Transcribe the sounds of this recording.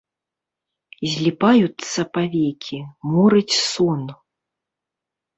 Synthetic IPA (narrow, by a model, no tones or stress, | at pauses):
zʲlʲipajut̪sːɐpavʲɛkʲʰimɔɾɨt͡sʲsɔn